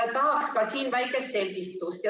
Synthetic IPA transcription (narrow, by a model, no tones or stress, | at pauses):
ɑt̪ɑɦɑkskɑsiːnvæjkːˑest̪selʲkist̪ːˑust̪jɑ